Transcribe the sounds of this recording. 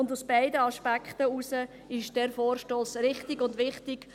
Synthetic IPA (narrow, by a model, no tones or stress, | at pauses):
ʊndusb̥ɛɪdəɑʃpækχtəusə | ɪʃd̥ɛɾfoːrʃtoːsɾɪχtɪɡʊndʋɪχtɪɡ̥